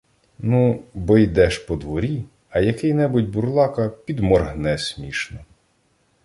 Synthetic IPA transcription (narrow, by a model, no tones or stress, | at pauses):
nubɔjd̪ɛʃpɔd̪ʋɔɾʲi | ɐjɐkɪjnɛbʊtʲbuɾlˠɑkɐpʲid̪mɔrɦnɛsʲmʲiʃnɔ